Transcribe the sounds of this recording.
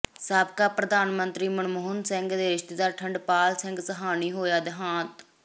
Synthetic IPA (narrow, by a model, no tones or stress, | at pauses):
saːb̚kaːpɾəd̪aːnmənt̪ɾiːməɳmoɦʊnsɪ̃ŋɡd̪eːɪʃt̪ːd̪aːɾʈʰəɳɖpaːlsɪ̃ŋɡsəɦaːniːɦoːjaːd̪ɪɦãːt̪